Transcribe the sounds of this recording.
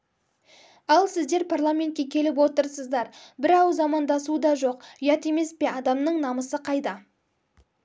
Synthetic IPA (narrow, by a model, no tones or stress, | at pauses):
ɑlˠsɪzd̪e̞ɾpʰarlˠamʲe̞nt̪̚kʲekʲʰe̞lɪp̬wot̪əɾsəzd̪ɑɾbɪɾɑwzɑmɑnd̪ɑsuəd̪ɑʒo̞qʒɑt̪e̞me̞spe̞ɑd̪ɑmnəɴnɑməsəqʰɑjd̪ɑ